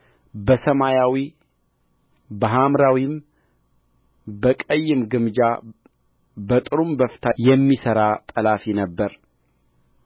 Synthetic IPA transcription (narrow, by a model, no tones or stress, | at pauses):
bəsəmajawi | bəɦamɾawim | bəkʼəjːɨmɡɨmd͡ʒa | bət̪ʼɨɾumbəft̪ʰajɛmːisəɾat̪ʼəlafinəbːəɾ